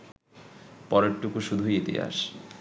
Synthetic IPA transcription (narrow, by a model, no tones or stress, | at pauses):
pɔɾeʈʈːukuʃud̪ʱuit̪ḭa̰ʃ